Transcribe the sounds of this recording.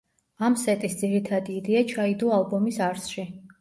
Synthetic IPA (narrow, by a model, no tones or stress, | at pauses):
amsɛt̪ʼisd̪ziɾit̪ʰad̪iːd̪ɛat͡ʃʰaid̪ualbɔmisaɾsʃi